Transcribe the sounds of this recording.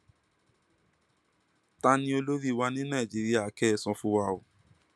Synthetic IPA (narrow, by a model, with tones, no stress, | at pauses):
ta˧nĩ˧˦o˧lo˦ɾi˦˨wa˧nĩ˦nãː˦˨d͡ʒi˨˦ɾi˦a˦˨kɛ˦˧˨sɔ̃˧fũ˧˦wa˧o˨